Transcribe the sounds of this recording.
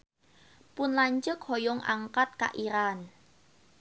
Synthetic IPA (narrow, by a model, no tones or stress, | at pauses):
pʊnlaɲt͡ʃʊkhɔjʊŋʔa̰ŋkat̪̚ka̰ʔiɾan